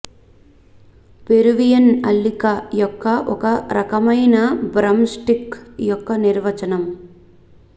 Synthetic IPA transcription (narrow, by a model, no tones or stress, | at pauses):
peɾuʋijɐnɐlːikɐjɔkːɐʔɔkɐɾɐkɐmɐjnɐbɾɐmsʈikjɔkːɐniɾʋɐt͡ʃɐnɐm